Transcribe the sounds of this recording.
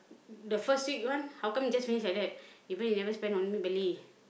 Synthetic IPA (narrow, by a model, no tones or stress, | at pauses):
dəfəstwik̚wãnhawkãmjid͡ʒasfinislaj̚dɛt̚ibə̃njunɛvəspɛ̃nɔ̃nmibɛli